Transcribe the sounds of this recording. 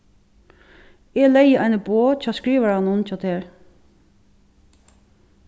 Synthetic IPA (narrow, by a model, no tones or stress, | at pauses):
ɛːlɛjəʔæɪnəboːt͡ʃɑːskɹiːʋəɹhanʊnt͡ʃɔːt̪ʰeːɹ